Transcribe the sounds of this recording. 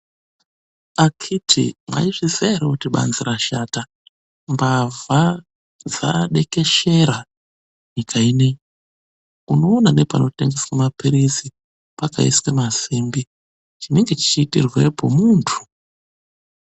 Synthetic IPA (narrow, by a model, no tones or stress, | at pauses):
akʰitʰḭmwa̰iʐizeɾeutiɓa̰nziɾaʃata | mbava | d͡za̰ɗe̞ke̞ʃe̞ɾa | ɲikʰaiːne | uno̞ːnane̞pano̞te̞ŋɡe̞swamapiɾizi | paka̰ḭswemaziːmbi | t͡ʃine̞ŋɡe̞t͡ʃi̥t͡ʃiːtḭrwe̞po̞muntʰu̥